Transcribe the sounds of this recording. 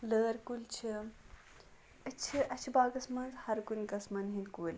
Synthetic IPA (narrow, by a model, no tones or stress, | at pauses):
ləːɾkult͡ʃʰi | ɐt͡ʃʰiʔɐt͡ʃʰibaːɡɐsmɐnzhɐɾkunkɐsmɐnɦinkulʲ